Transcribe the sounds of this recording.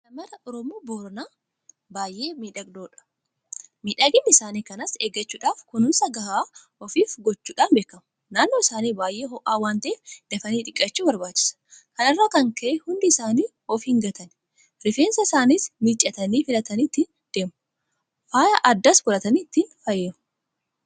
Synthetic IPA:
sɐmɐɾɐʔɔɾɔmoːboːɾɔnaː | baːjʔe̞ːmiːᶑɐɡd̪o̞ːᶑɐ̥ | miːᶑɐɡɪnːɪsaːniːkɐnɐseːɡɐt͡ʃːuːᶑaːfkʊnʊnsɐɡɐhaː | ɔfiːfɡɔt͡ʃːuːᶑaːnbe̞ːkːɐmʊ | naːnːoːɪsaːniːbaːjʔe̞ːɦɔʔaːwaːnt̪ɐeːfd̪̥ɐfɐniːᶑ̪ʼɪkʼːɐt͡ʃːuːbɐɾbaːt͡ʃːɪ̥sɐ̥kɐnɪrːakɐŋkɐʔɛhʊnd̪ɪɪsaːniː | ɔfhɪŋɡɐt̪ʰɐn | ɾɪfeːnsɐɪsaːniːsmit͡ʃʼːɐt̪ɐniːfɪlɐt̪ɐniːt̪ːin | d̪̥e̞ːm | faːjɐʔɐd̪ːɐsbʊlɐt̪ɐniːt̪ːinfɐjːeːʊ

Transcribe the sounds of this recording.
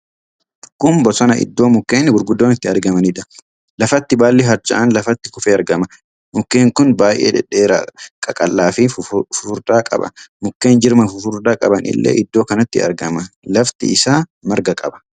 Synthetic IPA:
kʊmbɔsɐnɐʔɪ̰d̪ːo̞ːmʊkːeːnɪɡʊɾɡʊd̪ːo̞ːnɪt̪ːɪɐɾɡɐmɐniᶑɐ̥ | lɐfɐt̪ːɪbaːlːɪɦɐɾd͡ʒɐ̰ʔɐnlɐfɐt̪ːɪ̥kʊfeːɐɾɡɐmɐ | mʊkːeːŋkʊnbaːjʔḛːᶑɛᶑeːɾa̰kʼɐkʼɐlːaːfifʊfʊɾd̪aːkʼɐ̰bɐ̰mʊkːe̞ːnd͡ʒɪɾmɐfʊfʊɾd̪aːkʼɐbɐnʔɪ̰lːḛːʔɪd̪ːoːkɐnɐt̪ːɪɐ̰ɾɡɐmɐlɐft̪ɪ̰ʔɪsaːmɐɾɡɐkʼɐbɐ̥

